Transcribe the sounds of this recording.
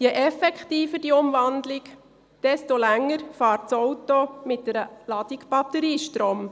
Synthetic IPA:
jɛʔɛfɛkχtiːfəd̥iʊmvɑnd̪lɪk | d̥ɛstolæŋːəɾfɑːɾtt͡sɔwtomɪt̚dɛɾəlɑd̪̥ɪkb̥ɑt̪ːəɾiːʃtɾoːm

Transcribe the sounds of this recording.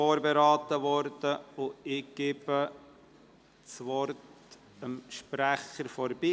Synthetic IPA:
oːɾbeɾɑːt̪əʋɔɾd̥əʊɪɡ̥ɪb̥ə | t͡sʋɔrt | əmʃpɾæχəɾfɔɾbiː

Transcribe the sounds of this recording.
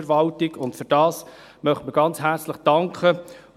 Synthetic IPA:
ɾʋɑltɪɡʊntfʏɾd̥ɑːs | mœχtməɡ̥ɑnt͡sɦæɾt͡sləχd̥ɑŋkχə

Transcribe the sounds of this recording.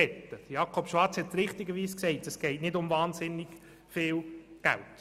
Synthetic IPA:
ɛtːəd̥̪jɑkʰɔpʃʋɑɾt͡shɛt̚ɾɪχt̪iɡəʋiːsksɛɪtɛsɡ̥ɛɪtnɪdʊmvɑːnsɪnːɪɡ̥ | fɪːlɡ̥æ̰lt

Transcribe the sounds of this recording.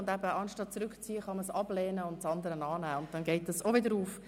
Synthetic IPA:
ʊndæbəʔɑnʃtɑt̚t͡sɾʉkt͡siːəχɑməsɑblɛːnəʊntt͡sɑnd̪əɾənɑːnæːʊnt̚dɛnɡɛɪtɑsovɪdəɾuːf

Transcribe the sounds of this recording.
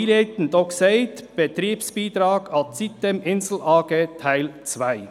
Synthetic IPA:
leɪt̪n̩d̪ɔkseɪd̪b̥ət̪ɾiːpsb̥iːd̪ɾɑːɡɑt̪sit̪əmʔɪnzl̩ʔɑːɡeːt̪ʰaɪlt͡svaɪ

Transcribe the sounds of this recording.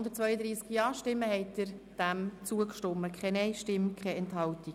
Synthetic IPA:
ndət̚t͡sʋœʏəd̪ɾiːskjɑːʃtɪmːəhɛɪtəɾd̥æmt͡suəkʃtʊmːəkʰχɛnɛɪʃtɪmkʰχɛɛnthɑlti

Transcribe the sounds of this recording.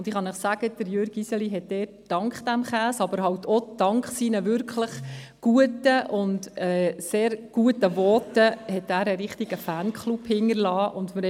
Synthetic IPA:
ʊnd̥ɪχɑnəχsæɡ̥əd̥əɾjøɾɡisəliɦɛt̚d̥ɛːt̚ːɑŋkχd̥æmχæːsɑb̥əɾɦɑwtʰɔd̪̥ɑŋkχsinəʋʏɾkʰləχɡ̥uətəʔʊndɛːseːɾɡ̥uətəvɔːtəhɛt̪æːɾəɾɪχtiɡ̥əfæːnkχluphɪŋəɾlɑːʔʊndmə

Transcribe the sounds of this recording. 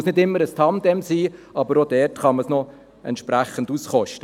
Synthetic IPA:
snɪdɪmːəɾəst̪ʰɑmd̥ɛmsiːɑbəɾodɛːrtχɑməsnɔ | ɛ̰ntʃpɾæχən̩dusχɔʃtə

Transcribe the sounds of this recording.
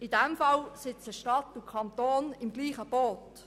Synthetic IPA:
idɛmfɑlsɪt͡səʃtɑtukʰɑnt̪oːnɪmɡliːχəb̥oːt

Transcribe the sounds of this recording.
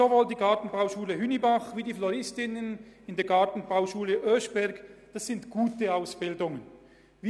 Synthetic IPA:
zovoːldiːɡɑɐtn̩baʊʃuːləɦynibaχviːdiːflɔʁɪstɪnənɪndeːɐɡɑɐtn̩baʊʃuːləʔøʃb̥ɛɾɡd̥asːɪntɡ̥uːtəaʊsb̥ɪldʊŋən | vi

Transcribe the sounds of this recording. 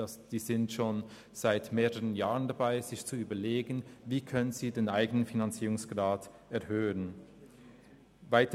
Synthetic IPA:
asd̥iːzɪntʃoːn | z̥aɪtmeːʁəʁənjaːʁəndabaɪz̥ɪçt͡suyːbɐleːɡən̩viːkʰœnənziːdeːnʔaɪɡənənfinant͡siːʁʊŋsɡ̥ʁaːt | ɛɐhøːən | vaɪt

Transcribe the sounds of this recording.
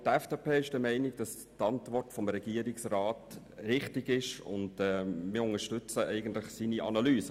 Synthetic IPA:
tɛfd̥eːpʰeːɪʃd̥əmɛɪnɪɡ̚d̥ɑs | tɑntvɔrtfɔmɾɛɡ̥iːəɾɪksraːt | ɾɪχtɪɡɪʃʊ̰ndɛːmɪːɾʊŋəʃtʏt͡səʔɛɪɡən̩tlɪχsiːniʔɑ̰nɑlyːsə

